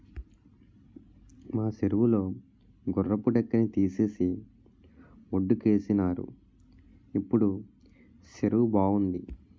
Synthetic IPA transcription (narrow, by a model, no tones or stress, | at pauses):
maːseɾuʋulo̞ː | ɡɔrːɐpːuɖɛkːɐnit̪iːse̞ːsi | oɖːuke̞ːsinaːɾṵ | ipːuɽu | ʃeɾuʋubaːund̪i